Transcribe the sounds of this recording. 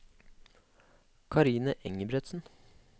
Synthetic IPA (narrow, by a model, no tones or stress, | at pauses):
kʰɑɾiːnəʔɛŋəbɾɛt̪sn̩